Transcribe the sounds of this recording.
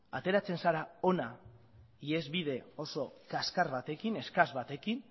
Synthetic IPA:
a̰t̪e̞ɾat͡se̞nsaɾao̞na | ie̞zβiðe̞o̞so̞kaskaɾβat̪e̞kine̞skazβat̪e̞kin

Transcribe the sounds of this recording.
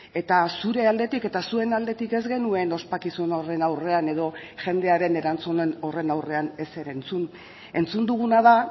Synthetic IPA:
e̞t̪asuɾe̞ald̪e̞t̪ike̞t̪asue̞nald̪e̞t̪ike̞zɣe̞nue̞no̞spakisuno̞re̞nawre̞ane̞ðo̞ʝe̞nd̪e̞aɾe̞ne̞ɾant͡sune̞no̞re̞nawre̞ane̞se̞ɾe̞nt͡sun | e̞nt͡sund̪uɣ̞unað̞a

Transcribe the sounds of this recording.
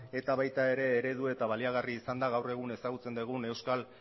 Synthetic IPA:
e̞t̪aβajt̪ae̞ɾe̞ːɾe̞ð̞ue̞t̪aβaliaɣ̞ariːsand̪aɣ̞awre̞ɣ̞une̞saɣut͡se̞nd̪eɣ̞une̞wskal

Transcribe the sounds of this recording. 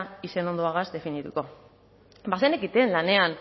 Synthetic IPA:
ise̞no̞nd̪oaɣ̞azd̪e̞finit̪uko̞ | basenekit̪e̞nlane̞an

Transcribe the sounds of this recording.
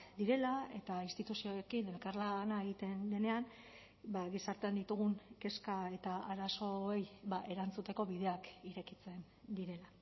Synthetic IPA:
d̪iɾe̞lae̞t̪ainst̪it̪usioekine̞lkaɾlanae̞ɣit̪e̞nle̞ne̞an | baɣisaɾt̪end̪it̪uɣ̞uŋke̞skae̞t̪aaɾaso̞ejβaʔe̞ɾant͡sut̪e̞ko̞βiðe̞akiɾe̞kit͡se̞n | d̪iɾe̞la

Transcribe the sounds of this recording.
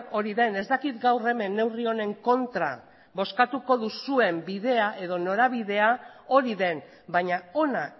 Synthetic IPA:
o̞ɾiðe̞ne̞zd̪akit̪ɡawre̞me̞nːe̞wrio̞ne̞ŋko̞nt̪ɾa̰ | βo̞skat̪uko̞ðusue̞mbiðe̞aʔe̞ðo̞no̞ɾaβ̞iðe̞ao̞ɾiðe̞n | baɲao̞na

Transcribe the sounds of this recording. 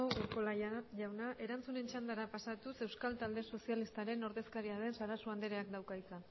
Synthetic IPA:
oukolaʝawnaʔe̞ɾant͡sune̞nt͡ʃand̪aɾapasat̪use̞wskalt̪ald̪e̞so̞sialist̪aɾe̞no̞ɾðe̞skaɾiaðe̞nsaɾasuand̪eɾeakd̪awkajt͡sa

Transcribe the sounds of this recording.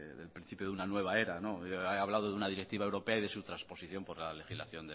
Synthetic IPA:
ðelpɾin̟θipjo̞ðunanwe̞β̞aeɾano̞aaβ̞laðo̞ðeunaðiɾek̚t̪iβaewɾo̞peaiðe̞sut̪ɾaspo̞siθjo̞mpo̞ɾlale̞xizla̰θjo̞nd̪e

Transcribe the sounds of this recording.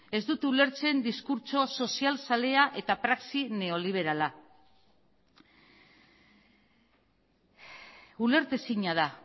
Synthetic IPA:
e̞zd̪ut̪eule̞ɾt͡se̞nd̪iskuɾt͡so̞so̞sialsale̞aʔe̞t̪apɾaksine̞o̞liβ̞e̞ɾala | ule̞ɾt̪esiɲað̞a

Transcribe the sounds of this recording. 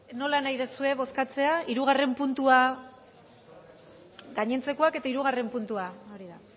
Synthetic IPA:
no̞lanajðesue̞β̞o̞skat͡se̞aiɾuɣ̞are̞mpunt̪ua | ɡaɲe̞nt͡se̞ko̞ake̞t̪aiɾuɣ̞are̞mpunt̪uao̞ɾiða

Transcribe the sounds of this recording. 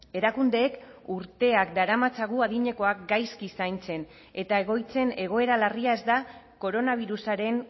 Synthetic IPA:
e̞ɾakund̪e̞ːkuɾt̪e̞akd̪aɾamat͡saɣuaðiɲe̞ko̞ak̚ɡajskisajnt͡se̞n | e̞t̪ae̞ɣ̞o̞jt͡se̞ne̞ɣ̞o̞e̞ɾalariae̞zd̪a | ko̞ɾo̞naβ̞iɾusaɾe̞n

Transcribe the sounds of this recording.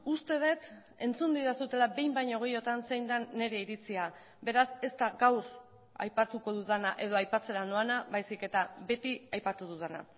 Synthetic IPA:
ust̪e̞ð̞e̞t̪ | e̞nt͡sund̪iðasut̪e̞labe̞jmbajɲo̞ɣ̞ejo̞t̪anse̞jnd̪anːe̞ɾe̞iɾit͡sia | be̞ɾase̞st̪aɡawr | a̰jpat̪uko̞ðuðanaʔe̞ð̞o̞ajpat͡se̞ɾanoanaβajsike̞t̪aβe̞t̪iajpat̪uðuðana̰

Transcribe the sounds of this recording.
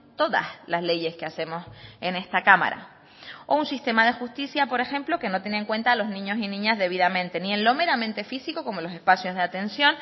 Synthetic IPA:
t̪o̞ða̰slazle̞je̞skease̞mo̞se̞ne̞st̪akama̰ɾa̰ | ounsist̪e̞maðe̞xust̪isjapo̞ɾe̞xẽ̞mplo̞ke̞no̞t̪̬jenẽŋkwe̞nt̪aːlo̞znĩɲo̞sinĩɲazðe̞β̞iðamẽ̞nt̪e̞nĩẽ̞nlo̞me̞ɾamẽnt̪e̞fisiko̞ko̞mo̞lo̞se̞spasjozðeat̪ẽ̞nsjõ̞n

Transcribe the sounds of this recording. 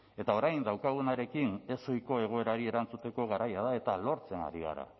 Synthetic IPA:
e̞t̪ao̞ɾajnd̪awkaɣ̞unaɾe̞kine̞so̞jko̞e̞ɣ̞o̞e̞ɾaɾie̞ɾant͡sut̪e̞ko̞ɣaɾajað̞ae̞t̪alo̞ɾt͡se̞na̰ɾiɣ̞a̰ɾa̰

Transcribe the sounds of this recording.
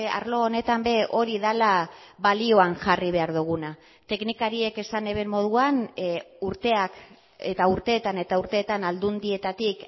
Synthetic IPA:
a̰ɾlo̞ːne̞t̪ambe̞ʔo̞ɾiðalaβalio̞aŋʝariβ̞e̞aɾðuɣ̞una | t̪e̞knikaɾie̞ke̞sane̞βe̞mo̞ð̞uan | uɾt̪e̞ak | et̪auɾt̪e̞ːt̪ane̞t̪auɾt̪e̞ːt̪anald̪und̪ie̞t̪at̪ik

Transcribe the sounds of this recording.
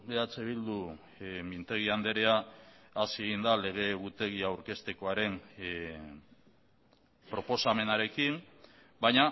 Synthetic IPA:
beat͡seβ̞ild̪u | mint̪e̞ɣ̞iand̪e̞ɾe̞aː | sieɣ̞ind̪ale̞ɣ̞e̞ɣut̪e̞ɣ̞iawɾke̞st̪e̞ko̞aɾe̞m | pɾo̞po̞same̞naɾe̞kim | bajɲa

